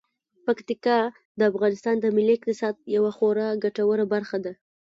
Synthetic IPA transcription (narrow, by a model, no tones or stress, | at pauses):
pakt̪ikɑ | d̪əafɣɑnɪst̪ɑnd̪əmɪlːiɪqt̪ɪsɑd̪̚jawaxoɾaɡaʈawəɾabaɾxad̪a